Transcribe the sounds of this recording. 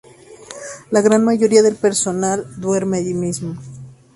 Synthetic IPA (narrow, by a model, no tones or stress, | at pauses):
laɣɾanmaʝo̞ɾiaðe̞lpe̞ɾso̞nald̪we̞ɾmeaʝimizmo